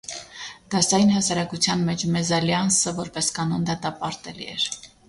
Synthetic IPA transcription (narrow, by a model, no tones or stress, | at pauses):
d̪̥ɑsɑjinɦɑsɑɾɑkut͡sʰjɑnmɛt͡ʃʰmɛzɑljɑnsəvɔɾpɛskɑnɔnd̪ɑt̪ɑpɑɾt̪ɛlḭɛ̰ɾ